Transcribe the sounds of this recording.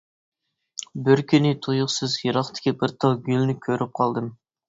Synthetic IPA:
bɪɾkʲʰynɪt̪ʰujʊqsɨzjɨɾɑχt̪ʰɪ̥kʲibɪɾt̪ʰɑwɡʲylʲnɪkʲʰøɾʔɪp̚qʰɑlˠd̪əm

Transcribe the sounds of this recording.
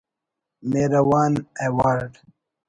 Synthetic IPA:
meɾɐwaːnewɑːɾɖ

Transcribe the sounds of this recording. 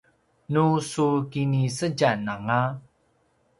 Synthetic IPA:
nusukinisəɟanaŋa

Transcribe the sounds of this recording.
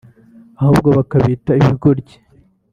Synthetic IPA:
ahubɡoβakaβitaiβikoɾɟi̥

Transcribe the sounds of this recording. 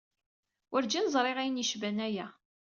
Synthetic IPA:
ʊɾd͡ʒinzˤɾˤeʁæjənjəʃvænæjæ

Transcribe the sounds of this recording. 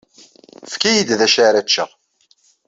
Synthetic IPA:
fkæjid̪ðæʃaɾæt͡ʃːəʁ

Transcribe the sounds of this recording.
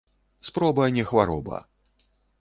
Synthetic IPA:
spɾɔbɐnʲɛxvaɾɔ̰bɐ̰

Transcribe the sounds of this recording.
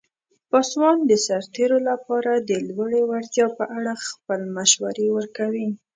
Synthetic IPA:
pɑswɑnd̪əsaɾt̪eɾolapɑɾad̪əlwaɽewaɾt̪jɑpəʔaɽaxpəlmaʃwaɾewəɾkawi

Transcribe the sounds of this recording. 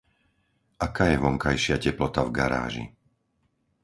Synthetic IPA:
ʔakaːjɛʋɔŋkajʃɪacɛplɔt̪avɡaɾa̰ːʒḭ

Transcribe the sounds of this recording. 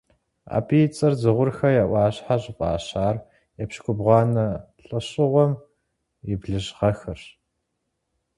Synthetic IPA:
a̰ːpʰijt͡sʼɐrzɨʁʷʊrxɐjaʔʷɑːɕħaɕʼɪpʼɑ̰ːɕaːr | jɛpɕkʷʊbʁʷɑːnɐɬʼɨɕʼɪʁʷɔm | jɪbɮɨʑʁɐxɐr

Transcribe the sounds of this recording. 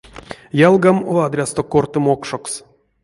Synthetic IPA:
jalˠɡamoad̪ɾʲast̪okort̪ɨmokʂoks

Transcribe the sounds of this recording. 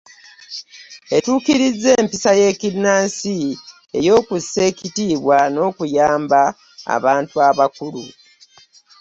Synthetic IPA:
e̞tuːkiɾizːe̞ːmpisaje̞ːkinːaːsi | e̞jo̞ːkusːe̞ːcitiːβwano̞ːkujaːmba | a̰βaːntuaβakulṵ

